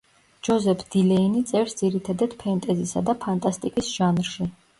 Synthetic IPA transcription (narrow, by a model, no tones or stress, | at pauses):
d͡ʒɔzɛpʰd̪̥ilɛinit̪sʼɛɾsd̪z̥iɾit̪ʰad̪ad̪̥pʰɛnt̪ʼɛzisa̰d̪apʰant̪ʼast̪ʼikʼisʒ̥anɾʃi